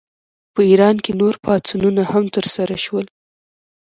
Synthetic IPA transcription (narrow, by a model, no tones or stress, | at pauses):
pəiɾɑnkenoɾpʰɑt͡sununahamt̪əɾsaɾaʃwəl